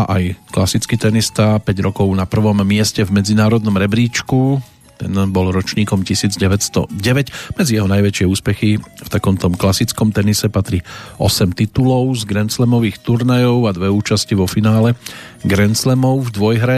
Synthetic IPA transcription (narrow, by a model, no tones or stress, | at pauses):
aʔajklasit͡skit̪ɛnist̪apɛɟɾɔkɔʊnapr̩ʋɔmːɪɛscɛvmɛd͡zinaːɾɔd̪nɔmɾɛbɾiːt͡ʃku | t̪ɛ̰nbɔlɾɔt͡ʃɲiːkɔmcisiːd͡zɟɛʋɛtst̪ɔ̰ɟɛʋɛɟmɛd͡zijɛɦɔnajʋɛt͡ʃɪɛuːspɛxift̪akɔmt̪ɔmklasit͡skɔmt̪ɛnisɛpat̪ɾiɔ̰sɛmt̪it̪ulɔʊzɡɾɛnt͡slɛmɔʋiːxt̪uɾnajɔʊad̪ʋɛuːt͡ʃasciʋɔfinaːlɛ | ɡɾɛnt͡slɛmɔʊvd̪ʋɔjɦɾɛ